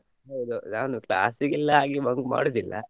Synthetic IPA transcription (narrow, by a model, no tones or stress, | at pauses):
ɦowd̪unaːnukla̰ːsiɡilːɐɦaːɡibɐŋɡma̰ːɽod̪ilːɐ̰